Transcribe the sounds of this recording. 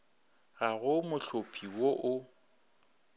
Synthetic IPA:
ɣaɣʊmʊɬʊpʰʼiwoʔʊ

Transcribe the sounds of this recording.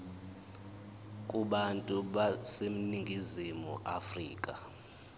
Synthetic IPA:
kʼuɓantʼuɓasem̩niŋɡʱizimṵʔafrḭːkʼa

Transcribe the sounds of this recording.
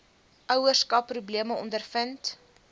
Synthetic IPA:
ʔœwərskɐpːrubliəməɔ̰ndərfənt

